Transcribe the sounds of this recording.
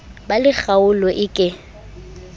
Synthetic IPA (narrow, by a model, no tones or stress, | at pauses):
balɪχaʊlɔʔɪkʼɪ